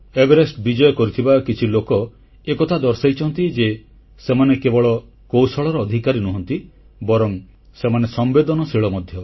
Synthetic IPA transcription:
ebeɾesʈbid͡ʒɔjɔkɔɾit̪ʰibakit͡ʃʰilokɔ | ekɔt̪ʰad̪ɔɾsajt͡ʃʰɔnt̪id͡ʒe | semanekebɔɭɔ | kowsɔɭɔɾɔːd̪ʱikaɾinuɦɔnt̪i | bɔɾɔŋ | semanesɔmbed̪ɔnɔsiɭɔmɔd̪ʱjɔ

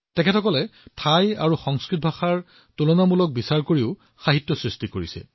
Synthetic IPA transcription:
tɛkʰɛtʰɔkɔlɛtʰaja̰ɹuxɔŋskɹit̚bʱaxaɹ | tulɔnamulɔk̚bisaɹkoɹiʊ | xaɦitːɔsɹistikoɹisɛ̰

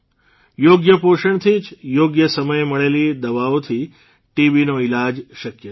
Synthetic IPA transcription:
joɡjəpoʃəɳt̪ʰid͡ʒjoɡjəsəməjməɭelid̪əʋaot̪ʰi | ʈiʋinoilad͡ʒʃəkjə

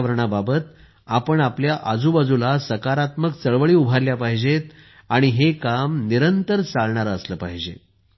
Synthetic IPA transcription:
ʋəɾɳababət̪ | apəɳapljaʔad͡zuːbad͡zulasəkaɾat̪mək̚t͡səɭʋəɭiːubʱaɾljapaɦid͡ʑet̪ | aɽ̃iɦekamniɾənt̪əɾt͡saɭɳaɾəsləːpaɦid͡ʑḛ

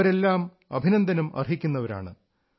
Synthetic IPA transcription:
ɐɾe̞lːaːm | ɐ̰bʱinɐnd̪ʱɐnumɐ̰rɦikʲːunːɐʋɐɾa̰ːɳɨ

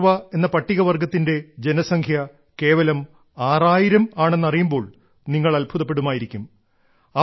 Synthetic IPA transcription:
ʋɐe̞nːɐpɐʈːiɣɐʋɐrɡʱɐt̪ːinde̞d͡ʑe̞nɐsɐŋkʰjɐ | ke̞ːʋɐlɐm | aːraːjiɾɐmaːɳenːɐrijumbo̞ːɭ | niŋːɐɭɐlbʱuðɐpːeɽumaːjiɾikʲːum | ɐ

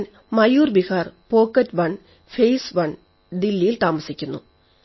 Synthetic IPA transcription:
n | mɐjuːrbihaːrpo̞ːkːɐtːbɐɳ | fejsʋɐɳ | d̪ilːijilt̪aːmɐsikʲːunːṵ

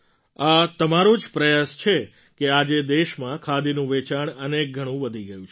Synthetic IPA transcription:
at̪əmaɾũd͡ʒpɾəjast͡ʃʰe | kead͡ʒed̪eʃmãkʰad̪inũʋet͡ʃaɳənek̚ɡʱəɽ̃ũʋəd̪ʱiɡəjũt͡ʃʰ

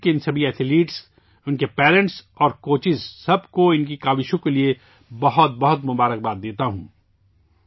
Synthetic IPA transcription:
keɪnsɐbʱiɛːt̪ʰɪliːʈs | ʊnkepɛːɾə̃ɳʈs | ɔːɾkoːt͡ʃɪzsɐbkoɪnk̬ikaːʋɪʃõkelie | bɐɦʊt̪̚bɐɦʊt̪mʊbaːɾək̚baːt̪̚d̪eːt̪aɦṵ̃ː

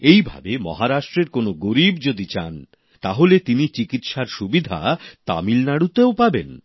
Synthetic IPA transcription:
ejbʱa̰bemɔ̰ɦaɾaʃʈɾeɾkonoɡoɾibd͡ʑod̪it͡ɕan | t̪aɦolet̪init͡ɕikit̪ʃaɾʃubid̪ʱa̰t̪a̰milnaɽut̪eopabḛn

